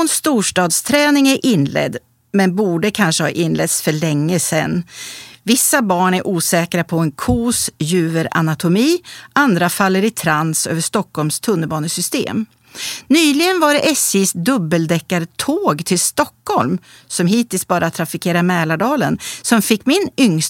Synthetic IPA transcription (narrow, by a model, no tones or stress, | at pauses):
ɔnst̪uːʂʈɑːd̪st̪ʰɾɛːnɪŋæɾʔɪnlɛ̰d̪ | mɛnbuːɖəkʰanʂəhɑ̰ːʔɪnlɛt̪sfœɭɛŋːəsɛ̰nːvɪsːabɑːɳæɾʔuːsɛːkɾapʰɔɛnkʰuːsjʉ̟ːvəɾa̰nat̪ʰʊmiːʔand̪ɾafalːəɾɪt̪ʰɾansø̰ːvəʂt̪ɔkhɔlmst̪ʰɵnːəbɑːnəsʏst̪ḛːm | nyːlɪɡənvaɖɛʔɛsɪsd̪ɵbːəld̪ɛkːaɾət̪ʰoːɡt̪ʰɪlst̪ɔkhɔlm | sɔmɦiːt̪ɪlsbɑːɾʔat̪ʰɾafɪkʰeːɾamɛːlaɖɑːlənsɔmfɪkːmɪnʏŋs